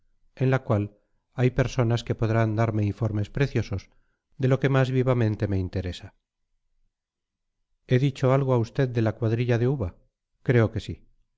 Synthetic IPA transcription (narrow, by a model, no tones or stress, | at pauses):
e̞nlakwal | ajpe̞ɾso̞naske̞po̞ðɾand̪aɾmeiɱfo̞ɾme̞spɾe̞θjo̞so̞z | ðe̞lo̞ke̞mazβiβamẽ̞nt̪e̞me̞int̪e̞ɾe̞sa | e̞ðit͡ʃo̞alɣ̞oaust̪eðd̪e̞lakwaðɾiʎaðeuβa | kɾe̞o̞ke̞si